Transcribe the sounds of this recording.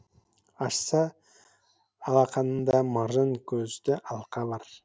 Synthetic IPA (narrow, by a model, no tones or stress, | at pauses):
ɑʃsɑ | lˠɑqʰɑnənd̪ɑmɑʒəŋkʲʰɵzd̪ɪʔɑlˠqʰɑbɑɾ